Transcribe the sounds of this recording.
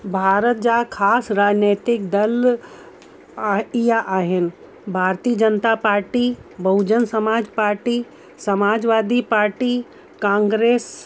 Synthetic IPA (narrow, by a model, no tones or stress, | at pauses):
bʱaːɾət̪̚d͡ʒakʰaːsɾaːd͡ʒneːt̪ɪk̚d̪ɐl | ijaʔaːɦɪn | bʱaːɾt̪iːəd͡ʒənt̪apaːɾʈibɐʊd͡ʒənsɐmaːd͡ʒpaːɾʈi | sɐmaːd͡ʒʋaːd̪ipaːɾʈi | kãːŋɡɾeːs